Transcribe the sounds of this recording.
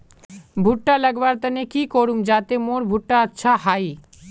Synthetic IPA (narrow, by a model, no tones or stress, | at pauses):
bʱuʈːalɛɡbaɾt̪anekikoɾumd͡ʑat̪emoɾbʱuʈːaatːɕʰaɦaj